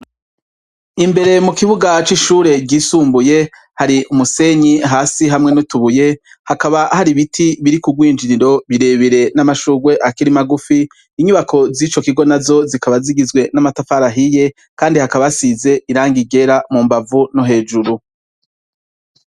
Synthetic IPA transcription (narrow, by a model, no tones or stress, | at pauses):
imbe̞ɾe̞mukiβuɡat͡ʃiʃuːɾe̞ɡɟiːsuːmbuje̞ | haɾiʔumuse̞ɲiɦaːsiɦamŋe̞nutuβuje̞ | hakaβahaɾiβitʰiβiɾikuɡwiːnd͡ʒiniɾo̞βiɾe̞βiɾe̞namaʃuɡwe̞ʔakiɾimaɡufiː | ɲuβakʰo̞zit͡ʃo̞kiɡo̞nazo̞zikaβaziɡizɡwe̞namatafaɾaɦije̞ | kaːndihakaβasize̞ʔiɾaːŋɡiɡe̞ɾamuːmbavunoɦe̞ːd͡ʒuɾu